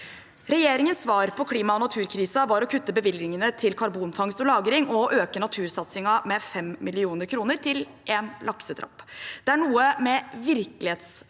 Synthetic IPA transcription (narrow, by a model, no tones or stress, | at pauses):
ɾɛjeːɾɪŋənsʋɑːɾpʰɔkʰliːmɑɔnɑt̪ʰʉːɾkʰɾiːsɑʋɑɾɔkʰʉt̪ːəbəʋɪlɡnɪŋənət̪ʰɪlkʰɑɾbuːnfɑŋst̪ɔlɑːɡɾɪŋɔʔøːkənɑt̪ʰʉːɾsɑt̪sɪŋɑmɛfɛmmɪlɪuːnəɾkʰɾuːnəɾt̪ʰɪl | ʔeːnlʔɑksəd̪ɾɑ̰pːd̪̥ɛæɳuːəmɛʋɪɾklɪheːt̪s